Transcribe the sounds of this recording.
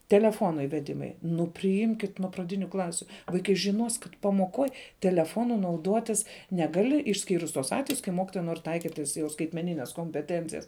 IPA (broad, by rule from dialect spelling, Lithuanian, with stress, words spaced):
tʲɛlʲɛˈfoːnoː ɪʋʲɛˈdʲɪmɐɪ nʊ pʲrʲɪˈɪmʲkʲɪt nʊ prɐˈdʲɪnʲʊ ˈklˠɑːsʲʊ ʋɐɪˈkɐɪ ʒʲɪˈnoːs kɐt pɐmoːˈkoːj tʲɛlʲɛˈfoːnʊ nɐʊˈduɔtʲɪs ˈnʲæːˌɡɑːlʲɪ ɪʃʲˈsʲkʲiːrʊs tuɔs ˈɑːtʲʋʲɛjʊs kɐɪ ˈmoːkʲɪtoːjɛ noːrʲ ˈtɐɪkʲɪtʲ tɐs jɛʊ skɐɪtʲmʲɛˈnʲɪnʲɛs koːmʲpʲɛˈtʲɛnʲt͡sʲɪjɛs